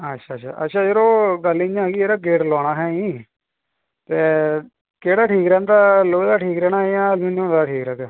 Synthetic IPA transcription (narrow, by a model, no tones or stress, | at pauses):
ətːʃʰaːʃʰa̰ːʔətːʃʰaːd͡ʒəɾoːɡəlːɪ̃d͡ʒãːɡiːeːɾaːɡeːʈlɔːnaːɦɛːĩː | t̪eː | keːɽaːʈʰiːkɾɛ̃ːnd̪aːloːd̪aːʈʰiːkɾɛːnaːjãːluːnõnd̪aːʈʰiːkɾɛːɡ